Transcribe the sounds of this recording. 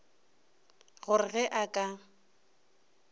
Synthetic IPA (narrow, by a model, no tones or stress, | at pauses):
ɣʊrɪɣɛʔakʼa